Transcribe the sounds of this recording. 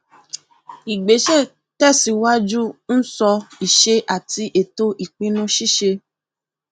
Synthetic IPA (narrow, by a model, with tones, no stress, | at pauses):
i˨ɡ͡be˨˦ʃɛ˦˨ | tɛ˦˨si˨˧˦wa˦d͡ʒu˦n̩˦sɔ˧i˨ʃe˧ʔa˨ti˧ʔe˨to˦ʔi˨k͡pĩ˧˦nũ˧˦ʃi˦˨ʃe˧